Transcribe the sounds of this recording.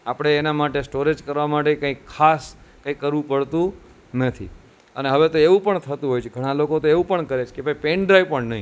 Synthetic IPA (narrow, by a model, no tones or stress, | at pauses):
apɽ̃eːnamaʈesʈoɾed͡ʒkəɾʋamaʈekãikʰːaskãikːəɾʋũpəɭt̪ũ | nət̪ʰḭ | əneɦəʋet̪oeʋũpəɳt̪ʰət̪ũɦojt͡ʃʰeɡʱəɽ̃alokot̪oeʋũpəɳkəɾet͡ʃʰkebʱaipeɳɖɾaipəɳnəɦĩ